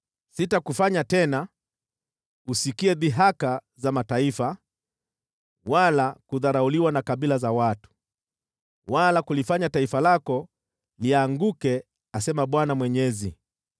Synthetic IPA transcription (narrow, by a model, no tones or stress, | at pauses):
sitakufaɲatɛna | usikiɛðiɦaka | zamataifa | walakuðaɾauliwanakaɓilazawatu̥ | walakulifaɲataifalakɔ | liaŋɡukɛ | asɛmaɓwanamwɛɲɛzḭ